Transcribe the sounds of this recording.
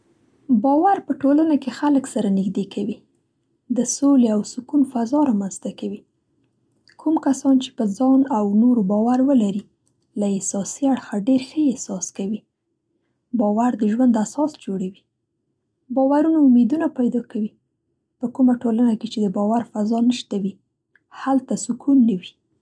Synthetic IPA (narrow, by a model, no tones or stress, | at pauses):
bɑwaɾpəʈolanakexaləksaɾanɪɡd̪ekʰawi | d̪əsoleawsʊkunfazɑɾɑmanz̥t̪akawi | kʰumkasɑnt͡ʃe̥pəzɑnawnoɾbɑwaɾwəlaɾi | laɪhsɑsiaɽxaɖeɾxəɪhsɑskawi | bɑwaɾd̪əʒwand̪asɑsd͡ʒoɽawi | bɑwaɾunaʊmed̪unapajd̪ɑkawi | pəkumaʈolanaket͡ʃed̪əbɑwaɾfazɑnəʃt̪awi | halt̪asʊkʰunːəwi